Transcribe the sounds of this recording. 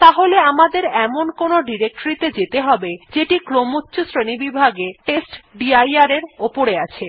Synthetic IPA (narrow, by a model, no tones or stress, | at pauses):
t̪aɦoleamad̪eɾɛmonkonoɖiɾek̚ʈoɾit̪ed͡ʑet̪eɦɔbed͡ʑeʈikɾomutːɕosɾenibibʱaɡeʈesʈɖiajaɾeɾopoɾeat͡ɕʰe